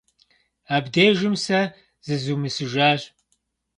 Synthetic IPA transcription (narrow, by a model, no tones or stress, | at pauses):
abd̪eːʒɨmsɐ | zɨzumɨsɨʒaːʒ